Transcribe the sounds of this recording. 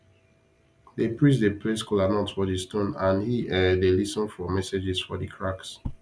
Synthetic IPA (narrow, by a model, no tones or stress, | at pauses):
depɹĩs̬depʰleskɔlanɔ̃tfɔdistõnãnhiɛdelisɔ̃nfɔmɛsed͡ʒɛsfɔdəkʰɹaks